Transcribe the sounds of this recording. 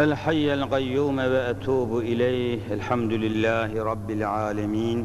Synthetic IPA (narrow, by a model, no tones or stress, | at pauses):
ʔɪlħajːalqajːuːmawaʔat̪ʰuːbʔɪlaːhʔɪlħamd̪ʊlɪlːaːhɾˤɑbːɪlʕaːlamiːn